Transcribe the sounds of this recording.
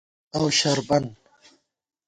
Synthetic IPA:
awʃaɾban

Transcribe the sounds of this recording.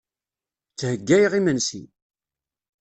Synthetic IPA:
t͡sːhəɡːæjʁimənsḭ

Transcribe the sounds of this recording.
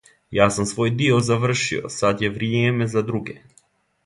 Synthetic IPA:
jasumsvojd̪iɔzavr̩ʃḭɔ̰sat̪javɾiɛɛmɛzad̪ɾuɡɛ

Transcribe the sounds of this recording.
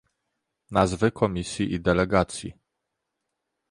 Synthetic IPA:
nazvɘkʰɔmʲisʲjiʔid̪ɛlɛɡat̪sʲjḭ

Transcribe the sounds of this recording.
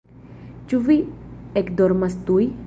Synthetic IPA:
t͡ʃuviekd̪oɾmast̪uj

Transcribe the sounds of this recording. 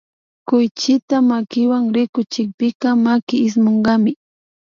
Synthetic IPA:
kʊjt͡ʃɪt̪amakɪwaŋɾɪkʊt͡ʃɪk̚pɪkɑmakɪːs̬moɴɢɑmɪ

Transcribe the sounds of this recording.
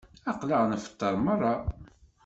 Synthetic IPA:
ɑqləʁnəfə̥t̪ːəɾˤmɑrˤːɑ

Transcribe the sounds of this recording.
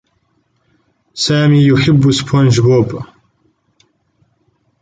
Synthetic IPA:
saːmiːjʊħɪbːspʰond͡ʒboːb

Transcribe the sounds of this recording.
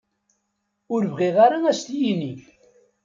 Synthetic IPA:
ʊɾvʁiʁaɾaæst̪jiniç

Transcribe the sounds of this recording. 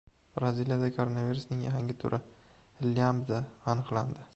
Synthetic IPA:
b̥ɾazilijad̪akʰoɾonaviɾʊsnɪŋjaɦaŋɡʲɪt̪ʰʊ̰ɾʔɪ | ɪljamd̪aːnɨqlˠand̪ɪ

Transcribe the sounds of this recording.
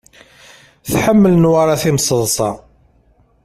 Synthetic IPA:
θħəmːələnwaɾˤaθimsˤəðˤsˤɑ

